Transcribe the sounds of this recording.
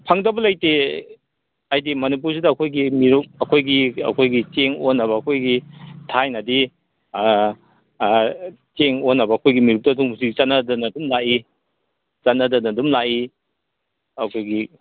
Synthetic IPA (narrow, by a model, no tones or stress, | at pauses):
pʰaŋdɐbɐlajte | ajdimɐnip̬uɾsidɐːkʰojɡimiɾuk̚ɐkʰojɡiɐ̰kʰojɡit͡ʃeŋonːɐβɐɐkʰojɡitʰajnɐdi | t͡ʃeŋonːɐbɐːkʰojɡimiɾuk̚tɐduŋusiɡt͡ʃanadɐnɐdumlaʔi | t͡ʃanɐdɐnɐdumlaʔi | ɐkʰojɡi